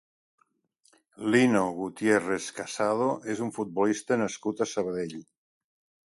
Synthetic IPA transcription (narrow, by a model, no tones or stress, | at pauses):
linoɣut̪jereskasað̞oʔezuɱfut̪̚bolist̪ənəskut̪asəβəðeʎ